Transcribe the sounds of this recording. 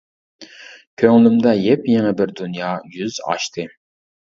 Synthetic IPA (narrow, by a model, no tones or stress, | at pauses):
kʲʰøŋlymd̪ɛjɛpjɛŋɛbɪɾd̪ynjɑːjyzɑ̰ʃt̪ʰɨ